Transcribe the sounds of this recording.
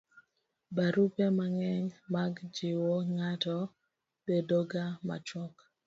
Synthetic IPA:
baɾupemaŋɛɲmaɡd͡ʒɪwoŋatɔ | bedoɡama̰t͡ʃɔk

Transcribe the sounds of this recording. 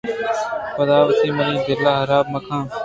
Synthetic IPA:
pəd̪aːʋət̪iːmənĩːd̪ɪlːaːɦəɾaːb̚məkʰãː

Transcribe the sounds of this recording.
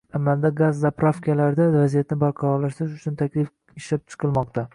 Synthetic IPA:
amald̪aɡazːapɾofkʲalaɾɪd̪avazijat̪nɪbaɾqʰɑɾɒɾlaʃt̪ɾɪʃʊt͡ʃʰʊnt̪ʰakʲlɪf | ɪʃlap̚t͡ʃʰɨ̥qʰɨlˠmɒqt̪ʰa

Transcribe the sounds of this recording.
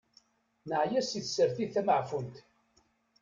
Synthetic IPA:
nəʕjæsiθsəɾθiθæməʕfunt̪

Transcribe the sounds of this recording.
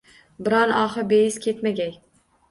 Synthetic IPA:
bɪɾɒnɒχɨbejɪzkʲʰet̪maɡʲaj

